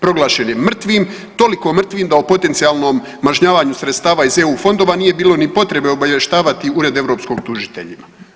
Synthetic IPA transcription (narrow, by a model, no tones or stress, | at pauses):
pɾo̞ɡlˠaːʃe̞njeːr̩t̪ʋiːm | t̪o̞liko̞mr̩t̪ʋiːmd̪aopo̞t̪e̞nt̪siaːlˠno̞ːmːaʒɲaːʋaːɲusɾe̞t̪st̪aːʋaizeuːfo̞nd̪o̞ːʋaniːje̞biːlo̞nipo̞t̪ɾe̞be̞obaʋje̞ʃt̪aːʋat̪iuɾe̞d̪e̞ʋɾo̞ːpsko̞ɡ̚t̪uʒit̪e̞̰ʎima